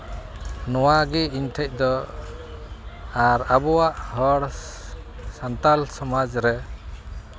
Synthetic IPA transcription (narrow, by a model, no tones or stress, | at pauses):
nɔwaɡiiɲʈʰɛc̚ˀd̪ɔ | aɾabɔwaʔhɔɽ | sant̪alsɔmad͡ʒɾɛ